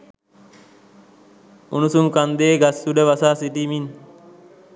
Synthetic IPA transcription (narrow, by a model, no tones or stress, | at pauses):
unusumkand̪eːɡasːuɖəʋasaːsiʈimin